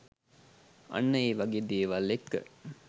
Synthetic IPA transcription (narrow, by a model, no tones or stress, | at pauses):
ɐ̰nːəeːʋaɡeːd̪eəʋalːekːə̰